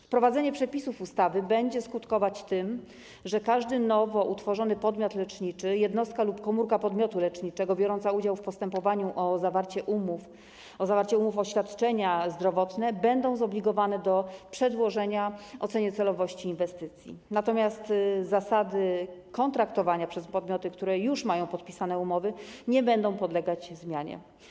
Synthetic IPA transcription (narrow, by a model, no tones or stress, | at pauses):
fpɾɔvad̪zɛɲɛpʂɛpʲisufust̪avɘbɛɲd͡ʑɛskut̪kɔvat͡ɕt̪ɘm | ʐɛkaʐd̪ɘnɔvɔʔut̪fɔʐɔnɘpɔd̪mʲjɔt̪lɛt͡ʂɲit͡ʂɘjɛd̪nɔst̪kalupkɔmuɾkapɔd̪mʲjɔt̪ulɛt͡ʂɲit͡ʂɛɡɔbʲjɔɾɔnt̪saud͡ʑawfpɔst̪ɛmpɔvaɲuʔɔzavaɾt͡ɕɛʔumuf | ɔzavaɾt͡ɕɛumufɔɕfʲjat̪t͡ʂɛɲazd̪ɾɔvɔt̪nɛbɛnd̪ɔ̃w̃zɔblʲiɡɔvanɛd̪ɔpʂɛd̪wɔʐɛɲaɔt̪sɛɲɘt̪sɛlɔvɔɕt͡ɕiːnvɛst̪ɘt̪sʲjḭnat̪ɔmʲjast̪zasad̪ɘkɔnt̪ɾakt̪ɔvaɲapʂɛspɔd̪mʲjɔt̪ɘkt̪uɾɛjuʂmajɔ̃w̃pɔt̪̚pʲisanɛumɔvɘɲɛbɛnd̪ɔ̃w̃pɔd̪lɛɡad͡ʑzmʲjaɲɛ̰